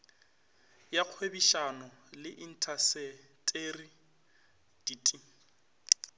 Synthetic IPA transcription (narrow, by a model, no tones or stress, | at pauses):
jaq͡χʰwebiʃanɔlɪʔin̩tʰasɛ | tʼeri | d̥iːtʼi